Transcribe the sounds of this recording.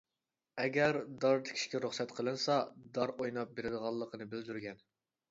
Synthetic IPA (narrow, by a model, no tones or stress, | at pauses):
ɛɡʲɛɾd̪ɑɾd̪ɨ̥kʲʰi̥ʃkʲɛɾuχsɛt̪qʰəlˠɨnsɑd̪ɑɾojnɑp̚beɾɪd̪əʁɑlˠːəqʰənɨbɪld̪yɾɡʲɛn